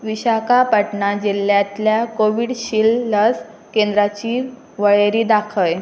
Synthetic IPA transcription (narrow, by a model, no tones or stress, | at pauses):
ʋiɕakapəʈɳad͡ʑilːjãt̪ljakoʋiɽɕiːlːəs | kend̪ɾat͡ɕiː | ʋəɭeɾiːd̪akʰəj